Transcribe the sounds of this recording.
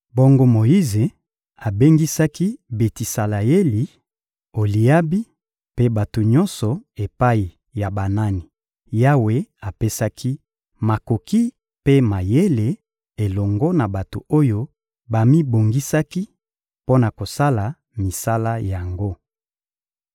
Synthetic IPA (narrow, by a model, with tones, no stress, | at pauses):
bo˦ŋɡo˦mo˨ji˦ze˨ | a˨be˦ŋɡi˦sa˦ki˦be˨ti˨sa˨la˨e˦li˨ | o˨li˨ja˦bi˦ | pe˦ba˨to˨ɲɔ˦nsɔ˨e˨pa˦i˨ | ja˨ba˨na˦ni˨ | ja˦we˦a˨pe˦sa˦kʰi˦ | ma˨ko˨ki˦ | pe˦ma˨je˦le˨ | e˨lɔ˨ŋɡɔ˦na˨ba˨to̰˨o˦jo˦ | ba˨mi˦bo˨ŋɡi˦sa˦ki˦ | po˦na˨ko˨sa˦la˨ | mi˨sa˦la˦ja˨ŋɡo˦